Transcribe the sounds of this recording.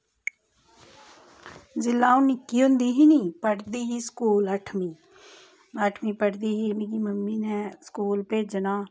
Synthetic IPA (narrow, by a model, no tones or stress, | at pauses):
zɪlːaːunikiond̪iɦinipəɽd̪iːɦiskuːlɐʈʰmi | ɐʈʰmipəɽd̪iːɦimĩkimɐmːinɛ̃skuːlpeːd͡ʒənaː